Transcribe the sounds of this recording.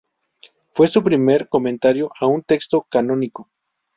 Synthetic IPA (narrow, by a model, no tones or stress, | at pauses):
fwe̞supɾime̞ɾkomẽnt̪aɾjoʔaunt̪e̞kst̪okanoniko